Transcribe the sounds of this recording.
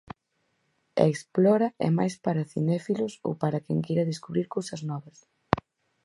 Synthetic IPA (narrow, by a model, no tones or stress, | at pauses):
a̰eksplɔɾɐɛ̰majspaɾɐθḭnɛfilʊso̰wpaɾɐkɛŋkejɾɐðeskuβɾiɾkowsɐznɔβɐs